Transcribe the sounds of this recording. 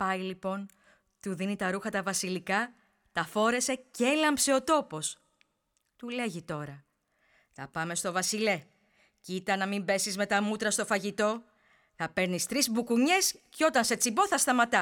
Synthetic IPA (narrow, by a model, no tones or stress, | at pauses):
pɐjlipo̞n | t̪uðinit̪ɐɾuxɐt̪ɐvɐsilikɐ | t̪ɐfo̞ɾe̞se̞celɐmpseo̞t̪o̞po̞s | t̪ule̞ʝit̪o̞ɾɐ | t̪ɐpɐme̞st̪o̞vɐsile̞ | cit̪ɐnɐmimbe̞sizme̞t̪ɐmut̪ɾɐst̪o̞fɐʝit̪o̞ | θɐpe̞ɾnist̪ɾizbukuɲe̞sceo̞t̪ɐnse̞t͡sibo̞θɐst̪ɐmɐt̪ɐ